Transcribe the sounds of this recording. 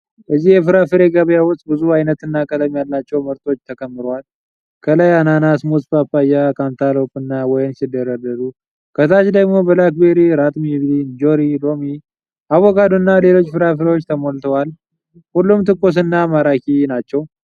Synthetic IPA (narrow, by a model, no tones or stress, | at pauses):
bəzːihjɛfɨɾafɨɾeɡəβjawʊst̪ʼbɨzuajnət̪ɨnːakʼələmjalːat͡ʃːɛwməɾt̪ʰo̞t͡ʃːt̪ʰəkʰʼəmːɨɾowal | kʰəlajananasmusʼpapːajakʰant̪ʰalo̞pʼɨnːawɔjnsɪd̪əɾəd̪əɾu | kʰət̪ʰat͡ʃd̪əɡmo̞bəlakbeɾiɾat̪ʼmiβind͡ʒo̞ɾilo̞mi | awːɔkʼad̪unːale̞lo̞t͡ʃːfɨɾafɨɾewot͡ʃːt̪ʰəmolt̪ʰəwal | hulːumt̪ʰɨkʼːos̬ɨnːamaɾakinat͡ʃːɛw